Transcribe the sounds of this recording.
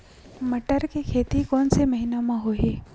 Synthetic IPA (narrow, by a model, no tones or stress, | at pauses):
mɐʈəɾkekʰeːt̪ikɔːnsemɐɦinamãɦoɦeː